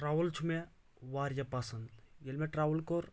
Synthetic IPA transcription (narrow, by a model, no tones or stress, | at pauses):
ʈɾaːʋəlt͡ʃʰume | ʋaːɾjɐpasɐnd̪jelmeʈɾaːʋəlkoɾ